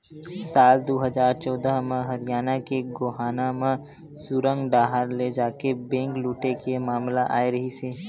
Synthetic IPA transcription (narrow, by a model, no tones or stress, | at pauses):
saːld̪oːɦəzaːɾt͡ʃɔːd̪əɦmẽɦɐɾɪjaːnakeɡoːɦaːnamẽ | suːɾə̃ŋɡɖaːɦəɾled͡ʒaːkebẽːŋkluːʈekemaːmlaʔa̰ːeɾɐɦiseː